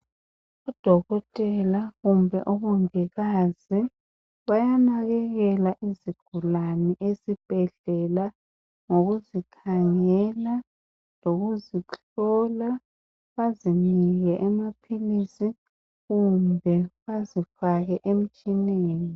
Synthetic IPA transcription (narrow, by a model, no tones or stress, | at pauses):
ɔd̥ʱɔɣɔtʼɛlaɣumbʱɛ̰ʔɔβɔŋiɣazi | βajanaɣɛɣɛlaʔiziɡ̥ʱulanɛʔezib̥ʱɛɮɛla | ŋoɣuzikʰaŋɛla | loɣuzit͡ɬʰɔla | βaziniɣɛʔɛmapʰilisi | ɣumbʱɛβazifaɣɛʔem̩t͡ʃʼineːni